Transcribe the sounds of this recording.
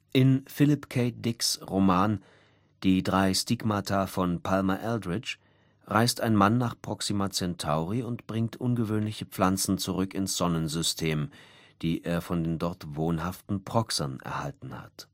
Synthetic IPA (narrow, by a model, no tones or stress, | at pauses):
ʔɪnfɪlɪpkʰeɪt̚d̥ɪksʁomaːn | d̥iːdʁaɪstikmatʰafɔnpʰalmaʔɛldʁɪt͡ʃ | ʁaɪstaɪnmanːaːχpʁ̥ɔksimat͡sɛntʰaʊʁiʊntb̥ʁɪŋtʔʊnɡəvøːnlɪçəp͡flant͡sn̩t͡suʁʏkɪnsz̥ɔnənzʏstʰeːm | d̥iːʔeːɐfɔndeːndɔɐtv̥oːnhaftn̩pʁ̥ɔksɐnɛ̰ɐhaltn̩ha̰t